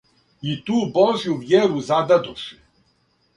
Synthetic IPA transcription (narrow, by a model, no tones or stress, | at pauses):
it̪ubɔʒjuvjɛɾuzad̪ad̪ɔʂɪ̥